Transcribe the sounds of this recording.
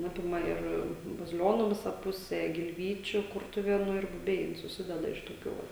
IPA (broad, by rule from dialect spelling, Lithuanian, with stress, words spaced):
ˈɑːpʲɪmɐ ɪr bɐzʲɪˈlʲoːnʊ ˈʋʲɪsɐ ˈpʊsʲɛ ɡʲɪlʲˈʋʲiːt͡ʃʲʊ ˈkʊrtʊʋʲeːnʊ ɪr bʊˈbʲɛɪ sʊˈsʲɪdʲɛdɐ ɪʃ toːˈkʲuː ˈʋɐ